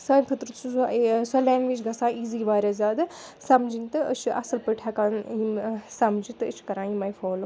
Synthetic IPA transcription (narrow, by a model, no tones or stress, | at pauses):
sanʲpʰɐt̪ɾɨt̪sʰusɐlaːnʋit͡ʃɡɐsãːiːziːʋaːɾʲɐzaːd̪ɨsɐmd͡ʒinʲt̪ɨə̰t͡ʃʰʔɐ̰sɨlpəʈʰakaːnisɐmd͡ʒit̪ɨɨt͡ʃʰkɐɾãːimɐːjfʰoːl